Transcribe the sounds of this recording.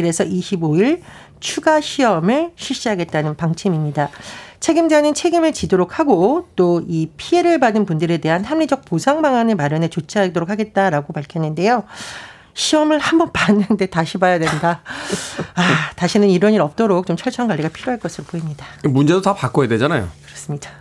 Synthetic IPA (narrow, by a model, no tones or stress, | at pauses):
kɯɾe̞sʰʌiɕʰiboiɭ | t͡ɕʰuɡaɕʰiʌmɯɭɕʰiɕ͈iɦaɡe̞t̚t͈anɯnpaŋt͡ɕʰimimɲidat͡ɕʰe̞ɡimd͡ʑanɯnt͡ɕʰe̞ɡimɯɭt͡ɕidoɾok̚ʰhaɡot͈oipʰie̞ɾɯɭpadɯnpundɯɾe̞de̞ɦanhamɲid͡ʑʌk̚posʰaŋbaŋanɯɭmaɾjʌnɦet͡ɕot͡ɕʰaadoɾok̚ʰaɡe̞t̚t͈aɾaɡopaɭkʰjʌnːɯnde̞jo | ɕʰiʌmɯɭhambʌnpanːɯnde̞taɕʰibajadwe̞nda | ataɕʰinɯniɾʌɲiɾʌp̚t͈oɾok̚t͡ɕomt͡ɕʰʌɭt͡ɕʰʌanɡwaʎːiɡapʰiɾjoɦaɭk͈ʌsʰɯɾopoimɲidamund͡ʑe̞dotapak͈ojadwe̞d͡ʑanajo̰kɯɾʌs͈ɯmɲida